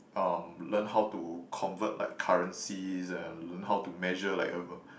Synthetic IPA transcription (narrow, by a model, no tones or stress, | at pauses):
ʔʌmlə̃nɦawtukʰɔ̃nvət̚lʔa̰ɪkʰaɹə̃nsizɛ̃nlə̃nɦawtumɛʒəla̰ɪkɛvə